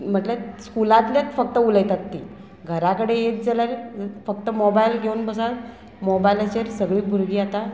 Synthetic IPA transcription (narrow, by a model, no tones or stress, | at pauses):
m̤əʈleskulãt̪ljat̪fək̚t̪əuləjt̪at̪ːi | ɡʱəɾakəɽeet̪̚d͡zaljaɾfək̚t̪əmobajlɡʱeunbəsal | mobajlat͡ɕeɾsəɡɭiːbʱuɾɡiːat̪a